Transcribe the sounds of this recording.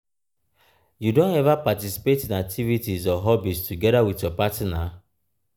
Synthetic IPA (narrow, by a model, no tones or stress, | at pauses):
judõnɛvapatisi̥petĩnak̚tʰivitizɔɦɔbistʰuɡɛɾawiθjɔpatna